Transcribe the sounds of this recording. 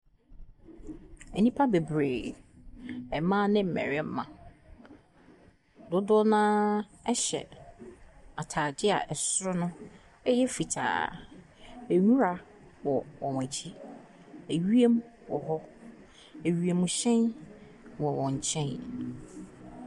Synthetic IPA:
ɛ˨nĩ˦pʰa˦be˨bɾeː˨ | ɛ˨mã˦nɪ̃˦m̩˨mɛ̰˨ɾɛ˦m̩˦mã̰˨ | dʊ˦dʊ˦nãː˦ | ɛ˦ɕɛ̰˨ | a˨tʰaː˨dɪ˦a̰˨ʔɛ˨sʊ˦ɾʊ˦nʊ̃˦ | ɛ˦jɛ˦fi˨tʰa̰ː˨ | æ˨ɲũ˦ɾa˨ | wɔ˨wɔ˨mæ̃˨t͡ɕʰi˦ | e˨ɥi˦e˦m˦wɔ˨hɔ˦ | e˨ɥi˨e˨m̃˨ɕɛ̃˦n | wɔ˨wɔ̃˨ɲ˨t͡ɕʰɛ̃˦n

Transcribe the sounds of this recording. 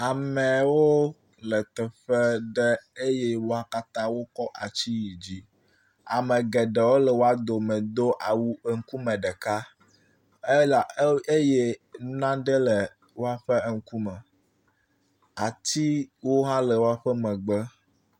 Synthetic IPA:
a˨mɛ̃˨wo˦ | lə˨t̪ɛ˨ɸɛ˦ɖɛ˦e˦je˦wo˦a˨ka˦t̪ã˦wo˦kɔ˦ʔa˨t͡ɕi˦ji˨d͡ʑi˦ | a˨mɛ̃˨ɡɛ˨ɖɛ˨wo˦lɛ˨wo˦a˦d̪o˨mɛ̃˨d̪o˦ʔa˨wu˦ə˦ŋ̩˦ku˦mɛ̃˨ɖɛ˨ka˦ | e˦la˨˦e˦je˦nu˦nã˦ɖə˦lɛ˨ | wo˦a˦ɸə˦˨ŋ̩˦ku˦mɛ̃˨ | a˨t̪i˦wo˦ɦã˦lɛ˨wo˦a˦ɸə˦mɛ̃˨ɡ͡bə˦

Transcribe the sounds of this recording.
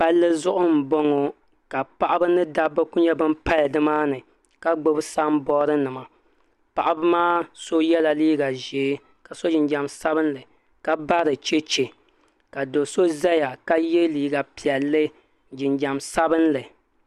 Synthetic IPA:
pa˦lːɨ˦zʊ˦ʔʊ˦m̩˨bo˦ŋo˨ | ka˨pa˦ʔa˦bɨ˦nɨ˦da˦bːɨ˦ku˦ɲɛ˦bɨ˦mpa˦ldɨ˦maː˦nɨ˨ | ka˦ɡ͡bo˦bɨ˦sa˦m˦bɔː˦ɾɨ˦nɨ˨ma˨ | pa˨ʔa˦bɨ˦maː˦so˦jɛ˦la˨liː˦ɡa˨ʒeː˨˦ | ka˨so˦d͡ʒɪ˨nd͡ʒa˨msa˦bɨ˦nlɨ˨ | ka˦ba˦ɾɨ˨t͡ʃe˦t͡ʃe˨ | ka˨do˨so˦za˦ja˨ka˦je˦liː˨ɡa˨pi˨ɛ˨lːɨ˦ | d͡ʒɪ˨nd͡ʒa˨msa˦bɨ˦nlɨ˨

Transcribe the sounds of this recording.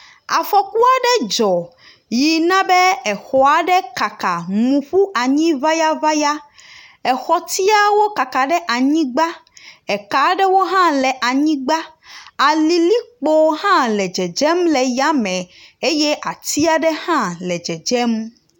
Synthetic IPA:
a˨fɔ˨ku˦a˨ɖɛ˦d͡ʒɔ˨ | ji˨nã˦bɛ˦ɛ˨xɔ˨a˨ɖɛ˦ka˨ka˨mũ˨ɸu˦ʔa˨ɲĩ˦va˦ja˦va˦ja˦ɛ˨xɔ˨t̪i˦a˦wo˦ka˨ka˨ɖɛ˦ʔa˨ɲĩ˦ɡ͡ba˦ɛ˨ka˨ɖɛ˦wo˦ɦã˦lɛ˨ʔa˨ɲĩ˦ɡ͡ba˦ | a˨li˨li˦k͡po˨˦ɦã˦lɛ˨d͡ʒɛ˨d͡ʒɛ˦mlɛ˨ja˦mɛ̃˨e˦jɛ˦ʔa˨t̪i˦a˦ɖɛ˦hã˦lɛ˨d͡ʒɛ˨d͡ʒɛ˦m

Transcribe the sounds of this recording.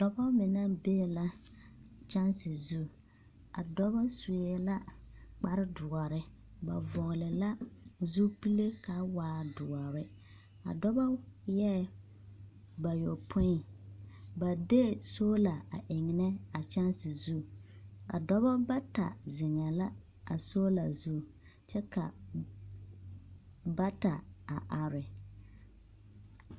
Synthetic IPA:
d̥ɔ˦bɔ˦mɪ˨na˦be˦˨la˦ | t͡ʃa˦nsɪ˨zu˦˨ | a̰˨dɔ˦bɔ˦su˨ɛ˦la˦k͡pa˦ɾɪ˦dʊ˨ɔ˨ɾɪ˦ | ba̰˨vɔ˨ɣlɪ˨la˦zu˦pi˦le˦ka˨waː˨dʊ˨ɔ˨ɾɪ˦ | a̰˨dɔ˦bɔ˦jɛ˦ | ba˨jo˨pʰʊ˦ɪ˨ | ba˨de˦soː˦la˨a˨ʔɪ˨ŋɪ˨nɛ˦a˨t͡ʃa˦nsɪ˨zu˦ka̰˨dɔ˦bɔ˦ba˦ta̰˨zɪ˨ŋɛ˨la˦ | a̰˨so˦la˨zu˦ | t͡ʃɛ˦ka˨ | ba˦ta˨a˨ʔa˨ɾɪ˨

